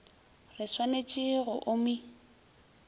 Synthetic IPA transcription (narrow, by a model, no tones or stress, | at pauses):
rɪswanet͡ʃʼɪɣʊʔʊmi